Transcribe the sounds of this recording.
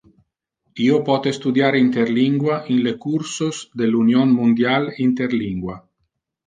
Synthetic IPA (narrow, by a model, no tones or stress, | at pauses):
iopɔt̪est̪ud̪jaɾint̪erliŋɡwaʔinlekursosd̪elunjonmund̪jalint̪erliŋɡwa